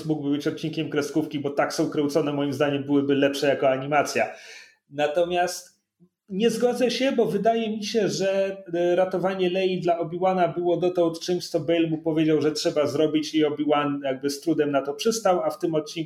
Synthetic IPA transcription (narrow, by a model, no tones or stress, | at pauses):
muɡbɘbɘt͡ɕɔt̪̚t͡ɕːiŋkʲɛmkɾɛskufkʲibɔt̪aksɔ̃w̃kɾɛwt̪sɔnɛmɔjimzd̪aɲɛmbɘwɘbɘlɛpʂɛjakɔaɲimat̪sʲja | nat̪ɔmʲjast̪ | ɲɛzɡɔd̪zɛɕɛbɔvɘd̪ajɛmʲiɕɛʐɛɾat̪ɔvaɲɛlɛjid̪laɔbʲiwanabɘwɔd̪ɔt̪ɔwt̪t͡ʂɘmɕt̪sɔbɛjlmupɔvʲjed͡ʑawʐɛtʂɛbazɾɔbʲit͡ɕjejɔbʲiwanjaɡ̚bɘst̪ɾud̪ɛmnat̪ɔpʂɘst̪awaft̪ɘmɔt̪̚t͡ɕiŋ